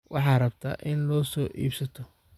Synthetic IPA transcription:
wʔɑħɑːrɐbt̪ʰa̰ːʔɪnlɔːsɔːʔḭːbsɐt̪ʰɔ

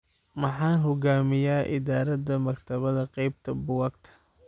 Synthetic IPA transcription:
mɑħɑːnɦɔɡaːmɪjaːʔɪ̰ðaːɾɐðɐmɐkt̪ʰɐβɐðɐqɑjb̚t̪ʰɐbʊwɑːkt̪ʰɐ̥

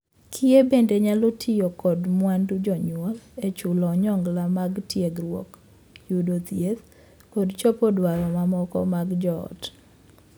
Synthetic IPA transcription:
kʰɪebendeɲalotʰijɔkɔdmwandud͡ʒɔɲwɔlet͡ʃʊlɔɲɔŋɡlamaɡtjeɡɾwɔk | judot̪jet̪ | kodt͡ʃopɔdwaɾɔmamɔkɔ̰maɡd͡ʒɔɔ̰t

